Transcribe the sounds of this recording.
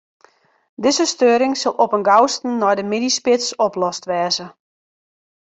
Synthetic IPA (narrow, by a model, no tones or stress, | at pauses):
dɪzəstøːɾɪŋsɪlˠʔɔpənɡawstn̩ːɔjdəminispɪtsɔplɔstʋɛːzə